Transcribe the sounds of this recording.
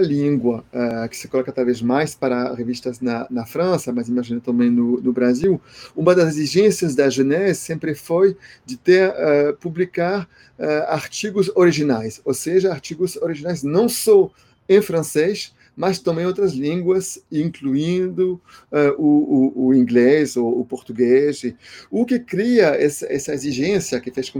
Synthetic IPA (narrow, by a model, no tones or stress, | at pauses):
ɐlĩɡwɐɛkɪ̥sɪ̥kolɔkɐt̪awvezmajspaɾɐʁevist̪ɐznɐnɐfɾɐ̃sɐmɐzĩmaʒĩnɐt̪ɐ̃mbẽj̃nʊnʊbɾaziwũmɐd̪ɐzeziʒẽsiɐzd̪ɐʒenɛssẽmpɾɪfojd͡ʒɪt̪eɾɛpublikaɾ | ɛaɾt͡ʃiɡʊzoɾiʒinajsoseʒɐaɾt͡ʃiɡʊzoɾiʒinajznɐ̃w̃sɔ | ẽfɾɐ̃ses | mɐst̪ɐ̃mbẽj̃owt̪ɾɐzlĩŋɡwɐzĩŋkluĩnd̪ʊɛʔuːĩŋɡlezoːpoɾt̪uɡezɪʊkɪkɾiɐɛsɐɛsɐeziʒẽsjɐkɪfeʃkũ